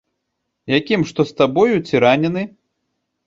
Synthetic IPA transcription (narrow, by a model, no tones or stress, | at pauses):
jakʲimʂt̪ɔst̪abɔjut͡sʲiɾanʲɛnɨ